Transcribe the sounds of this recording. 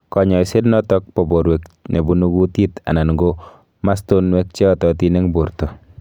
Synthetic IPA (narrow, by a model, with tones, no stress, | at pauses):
kɔ˨ɲɔ˨jse˦dnɔ˦tɔ˦k̚pɔ˨bo˨ɾwɛ˨k̚ne˨bu˨nu˦ɡu˦ti˦ta̰˨na˨nɡo | ma˦sto˦nwɛ˦k̚t͡ʃe˦ɔ˦tɔ˨ti˦ne˦ŋbu˨ɾto˨